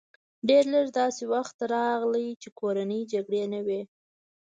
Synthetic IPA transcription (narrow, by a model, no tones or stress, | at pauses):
ɖeɾləɾd̪ɑsewaxt̪ɾɑɣləjt͡ʃekʰoɾanəjd͡ʒaɡɽenəwe